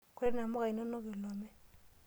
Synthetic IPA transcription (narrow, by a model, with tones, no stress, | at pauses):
kwe˦ɛ˦na˨mɔ˦ka˨i˨no˦no˦kɪ˨lɔ˨mɛ˦